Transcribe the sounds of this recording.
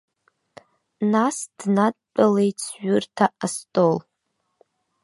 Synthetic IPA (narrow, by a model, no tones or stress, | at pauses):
nasd̥nad̚ʼt͡pʼalejt͡sʰʒʊrtʰaastʼol